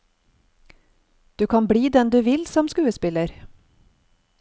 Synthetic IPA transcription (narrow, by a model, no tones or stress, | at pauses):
d̪̥ʉːkʰɑːnbɽiːd̪ɛnd̪ʉːʋɪlsɔmskʉːəspɪləɾ